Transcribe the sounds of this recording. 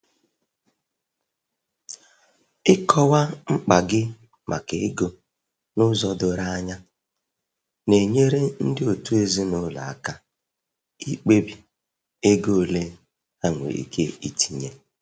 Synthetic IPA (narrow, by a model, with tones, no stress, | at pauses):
ɪ˦kʰɔ˦wa˦ŋ͡m̩˦k͡pa˨ɡɪ˦ | mʔa̰˨ke˨e˦ɡo˨ | nʊ˦zɔ˦dʊ˨ɾa˦ɲa˦ | ne˨ɲe˦ɾe˦n̩˦dɪ˦o˨tu˦e˨zi˦nʊ˦la̰˨a̰˦˨ka˦ | i˦k͡pe˦bi˨ | e˦ɡo˦˨le˦ | a˦ŋʷḛ˨ḭ˨kʰe˦i˦ti˨ɲe˦